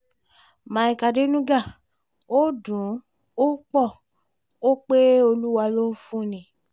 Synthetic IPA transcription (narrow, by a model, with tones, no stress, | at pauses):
mã˨i˨ka˨de˦nũ˦ɡa˦˨ | o˦dũ˨˦ | o˦k͡pɔ˦˨ | o˦k͡pe˦o˧lu˦wa˧lo˦fũ˦nĩ˨